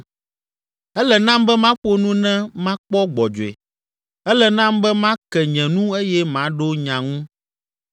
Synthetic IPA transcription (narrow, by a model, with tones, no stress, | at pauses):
ɛ˦lɛ˨nã˦mbɛ˦mã˦ɸo˦nũ˦nɛ̃˦mã˦k͡pɔ˦ɡ͡bɔ˨d͡ʒo˨ɛ̰˨ | ɛ˦lɛ˨nã˦mbɛ˦mã˦kɛ˨ɲɛ̃˨nũ˦e˦jɛ˦mã˨˦ɖo˦ɲã˨ŋũ˦